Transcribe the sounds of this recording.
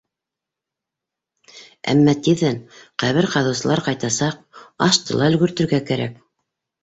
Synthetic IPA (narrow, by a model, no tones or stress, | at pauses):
æ̰mːɑt̪iðænqæβɘɾqɑðɤ̆wsɤ̆lˠɑɾqɑjt̪ɑsɑq | ɑʃt̪ɤ̆lˠɑɵ̆lɡɵ̆ɾt̪ɵ̆ɾɡækæɾæ̰k